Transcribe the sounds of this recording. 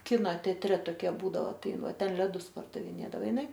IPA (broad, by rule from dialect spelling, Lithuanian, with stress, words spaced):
ˈkʲɪnoː tʲɛɐtʲˈrʲɛ toːˈkʲiɛ ˈbuːdɐʋoː ˈtɐɪ ˈɪn ˈʋɐ ˈtʲɛn lʲɛˈdʊs pɐrdɐʋʲɪˈnʲeːdɐʋoː ɪˈnɐɪ